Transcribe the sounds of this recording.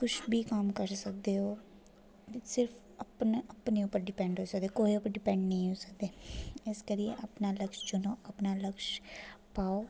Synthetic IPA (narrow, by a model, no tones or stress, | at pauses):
kʊt͡ʃʰbʱiːkaːmkəɾsək̚d̪eːɦoː | sɪɾpʰ | əpnəpneːʊpːəɾɖɪpɛ̃ːɳɖɦoːsəkd̪eːkoːiʊpəɾɖɪpɛ̃ːɳɖnəɦĩɦoːsək̚d̪eːɪskəɾijeʔəpnaːləkʃd͡ʒonõːəpnaːləkʃpaːoː